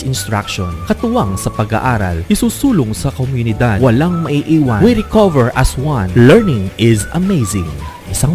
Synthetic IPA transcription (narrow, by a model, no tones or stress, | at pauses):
ɪnst̪ɾak̚ʃonkɐt̪ʊwaŋsɐpɐɡa̰ʔaːɾɐ̰lʔɪsuːsuːlʊŋsɐkomjʊnɪd̪ad̪wɐlaŋmɐʔiʔiːwɐwiɾɪkɔvɛɹʔɐswɐ̃nlɛɹnɪŋɪzɐmejzɪ̰ŋ | ʔɪsaŋ